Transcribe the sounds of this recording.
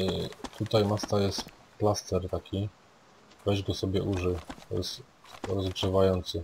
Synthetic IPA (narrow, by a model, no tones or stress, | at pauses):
t̪ut̪ajmast̪ajɛst̪ | plast̪ɛɾt̪akʲi | vɛʑɡɔsɔbʲjɛʔuʐɘt̪ɔ̰jɛst̪ | ɾɔzɡʐɛvajɔnt̪sɘ